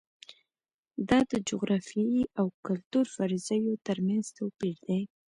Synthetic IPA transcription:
d̪ɑd̪əd͡ʒʊɣɾɑfiiawkʊlt̪uɾfɑɾɪzəjot̪əɾmanz̥t̪awpiɾd̪e

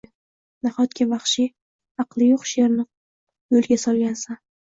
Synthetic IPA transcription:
naχɒt̪kʲavɑχʃɪ | ɑqlˠɪjoqʃe̞ɾnɪ | jolɡʲasɒlˠɡʲansan

